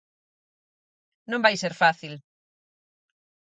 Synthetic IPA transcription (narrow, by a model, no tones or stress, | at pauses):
nõmbajseɾfaθil